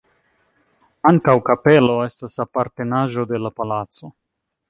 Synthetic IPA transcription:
aŋkawkape̞lo̞e̞stasapaɾt̪e̞naʒo̞d̪e̞lapalatt͡so̞

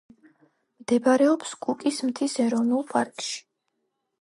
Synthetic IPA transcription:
md̪̥ɛbaɾɛɔpsɡ̥ukʼismt̪ʰisɛɾɔvnulˠpʼaɾkʼʃi̥

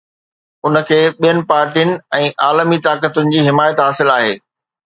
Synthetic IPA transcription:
ʊnə̆kʰeːɓijənɪ̆paːɾʈijənɪ̆ɛ̃ːʔaːlmit̪aːkət̪ʊnɪ̆d͡ʑiːɦɪmaːjət̪ɦaːsɪlaːɦeː

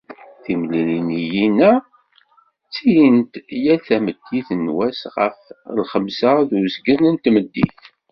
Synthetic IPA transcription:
θimlilinijinæ | t͡sːijənt̪jælθæməd̪̥ːiθənwæsʁə̰flχəmsaðuzɡənənt̪məd̪ːḭθ

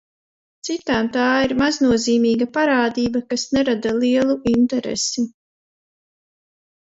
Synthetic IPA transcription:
t̪sit̪aːmt̪aːiɾmaznuɔziːmiːɡapaɾaːd̪iːbakasnɛɾad̪aliɛlˠuint̪ɛɾɛ̰si

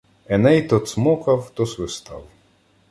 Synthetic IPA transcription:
ɛnɛjt̪ɔt̪smɔkɐwt̪ɔsʋɪst̪ɑ̰w

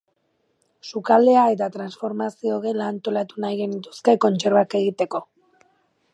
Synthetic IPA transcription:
sukald̪e̞ae̞t̪at̪ɾansfo̞ɾmasio̞ɣe̞laːnt̪o̞lat̪unajɣe̞nit̪uskajko̞nt͡ʃe̞ɾβake̞ɣ̞it̪e̞ko̞

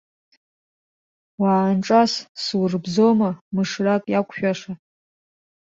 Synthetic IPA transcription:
waːnʈ͡ʂʼasswrbzomamɨʂrakʼjakʷʰʼʃᶣaʂa

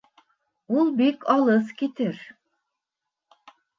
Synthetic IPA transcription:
ulˠbikʰalˠɯzkʲit̪ʰiɾ̥

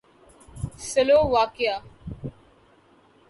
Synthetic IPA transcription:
səloːʋaːkɪjaː

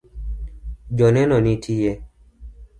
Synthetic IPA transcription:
d͡ʒɔnɛnɔnitʰije

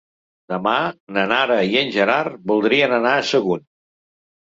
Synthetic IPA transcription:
d̪əmanənaɾəiənʲʒəɾarbulˠd̪ɾiənənaəsəɣun

